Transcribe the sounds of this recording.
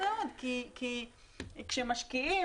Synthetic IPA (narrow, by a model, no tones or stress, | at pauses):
od̪kiki | kʃemaʃkii